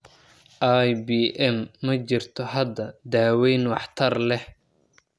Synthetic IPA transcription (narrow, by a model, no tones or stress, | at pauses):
ʔajbiːʔɛmːɐt͡ʃɪrt̪ʰɔɦɐd̪ɐd̪aːwɛjnwɑħt̪ʰɐrlɛh